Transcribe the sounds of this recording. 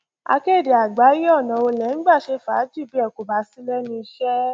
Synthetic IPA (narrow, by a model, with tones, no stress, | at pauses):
a̰˧ke˦˨de˨a˨ɡ͡ba˨˦ji˦ɔ˦˨nã˨o˧lɛ˨˦n̩˦ɡ͡ba˦˨ʃe˧˦fa˨˦d͡ʒi˦˨bi˦ɛ˦˨ko˨ba˨˦si˦lɛ˦nĩ˧ʃɛ˦